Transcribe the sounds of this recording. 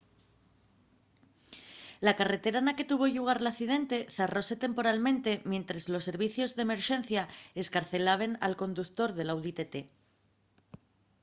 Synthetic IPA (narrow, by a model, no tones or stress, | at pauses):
lakare̞t̪e̞ɾanake̞t̪uβ̞o̞ʎuɣ̞aɾlaθið̞e̞nt̪e̞θero̞se̞t̪e̞mpo̞ɾalmẽnt̪e̞mjẽ̞nt̪ɾezlo̞se̞ɾβ̞iθjo̞zðeme̞ɾʃe̞nθjae̞skaɾθe̞laβ̞e̞na̰lko̞nd̪ukt̪o̞ɾðe̞lawðit̪et̪e